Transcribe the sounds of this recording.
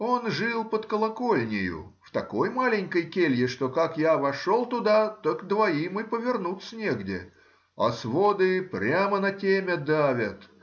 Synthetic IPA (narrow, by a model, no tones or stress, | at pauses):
o̞nʐɨlˠpət̪kəlˠɐkolʲnʲɪjʊ̰ | ft̪ɐko̞jmalʲɪnʲkəjkʲelʲjɪʂt̪o̞kakjavɐʂolˠt̪ʊd̪at̪əkd̪vɐimɨpəvʲɪrnut̪sənʲeɡdʲɪ̰ | ɐ̰svod̪ɨpɾʲamənɐtʲemʲəd̪avʲət̪